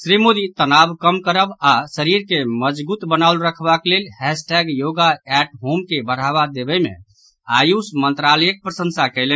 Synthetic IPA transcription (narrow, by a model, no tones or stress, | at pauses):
sɾimod̪it̪ənabkəmkəɾəbasəɾiɾkeməd͡ʒbut̪bənaulɾəkʰbaklelhɛsʈɛɡjoɡaɛʈɦomkebəɾ̤aβad̪ebɛmḛ̃ | ajusmənt̪ɾaləjək̚pɾəsə̃nsakəɪlən